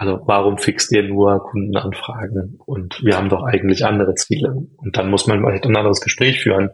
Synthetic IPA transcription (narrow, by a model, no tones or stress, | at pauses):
alzovaːʁ̞ʊmfɪkstdiːɐnuːɐkʰʊndn̩ʔanfʁ̥aːɡŋ̩ʔʊntv̥iːɐhaːbm̩dɔχʔaɪɡŋ̩tlɪçʔa̰ndəʁət͡siːləʊnt̚d̥anmʊsmanmtanʔandəʁəsɡ̥əʃpʁ̥ɛːçfy̰ːʁ̞ən